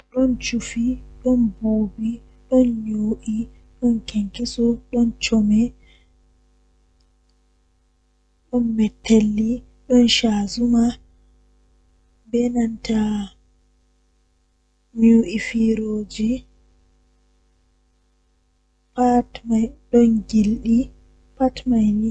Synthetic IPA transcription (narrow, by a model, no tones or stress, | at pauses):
ɗɔnt͡ʃufiɗɔnboːbi | ɗɔnɲoːʔi | ɗɔnkeŋkisɔɗɔnt͡ʃɔmɛ | ɗɔnmɛtʰːelːi | ɗɔnʃazuma | bɛnanta | muʔifiɾoːd͡ʒi | patmajɗɔnɡilɗi | patmajni